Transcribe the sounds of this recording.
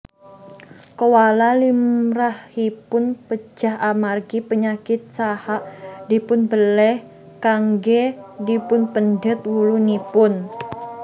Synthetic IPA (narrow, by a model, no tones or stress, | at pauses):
kowalalimɾahhipʊnpə̥d͡ʒʒ̥a̤hʔamarɡipəɲakɪt̪̚sahaʔdipʊnbəlɛh | kaŋɡedipʊnpəndət̪̚wulunipʊn